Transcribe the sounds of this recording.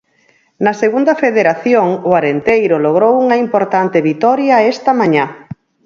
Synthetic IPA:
nɐseɣund̪ɐfeðeɾaθjoŋʊaɾent̪ejɾʊloɣ̞ɾowuŋɐimpoɾt̪ant̪eβit̪ɔɾjɐɛst̪ɐmãɲa

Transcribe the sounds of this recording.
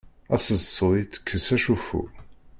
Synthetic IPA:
æsəsˤːoit̪ːə̥kʰːəsæʃufṵ

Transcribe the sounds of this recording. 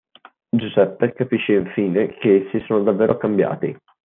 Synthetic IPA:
d͡ʒuzɛpːekapiʃːeiɱfiːnekesːisoːnod̪avːeːɾʔokambja̰ːt̪ḭ

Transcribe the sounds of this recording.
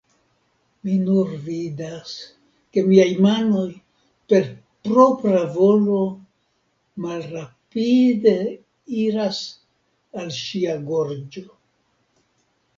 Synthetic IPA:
minuɾvidas | ke̞miajmano̞j | pe̞ɾ | pɾo̞pɾavo̞lo̞ | malɾapide̞ | iɾas | alʃiaɡo̞ɾd͡ʒo̞

